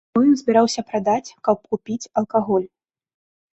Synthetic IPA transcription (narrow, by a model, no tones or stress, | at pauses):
ɔjɔnzʲbʲɪɾawsʲɐpɾad̪at͡sʲkɐp̚kupʲit͡sʲɐlˠkaɣɔlʲ